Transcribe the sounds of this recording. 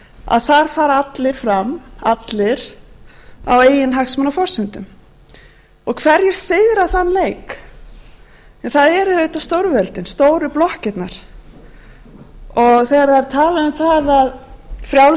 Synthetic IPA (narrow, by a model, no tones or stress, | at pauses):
a̰ðθaɾ̥faːɾaat̪lɪɾ̥fɾamat̪lɪɾ | a̰weːjɪnɦaxsmanafɔr̥sɪnt̪ʏm | ɔɣkʰvɛɾjɛ̥sɪɣɾaθanːleːjk | ɛnθaðɛɾhœɥt̪ast̪oːwɾvɛlt̪ɪnst̪oːwɾʏplɔhcɪt̪naɾ̥ | ɔɣθɛːɾaɛɾ̥t̪ʰaːlaðʏmθaðaðfɾjaw